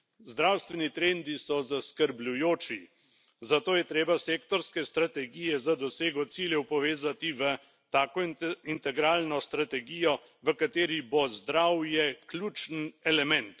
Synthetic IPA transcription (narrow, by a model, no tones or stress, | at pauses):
zd̪ɾawst̪ʋɛnit̪ɾeːnd̪isɔzaskəɾblʲujoːt͡ʃi | zat̪oːjɛt̪ɾeːbaseːkt̪ɔɾskɛst̪ɾat̪ɛɡijɛzad̪ɔseːɡɔt̪siːljɛwpɔʋeːzat̪iʋə | t̪aːkɔint̪ɛɡɾaːlnɔst̪ɾat̪ɛɡijɔ | ʋəkat̪eːɾibozd̪ɾawjɛklʲjuːt͡ʃnɛlɛmɛnt̪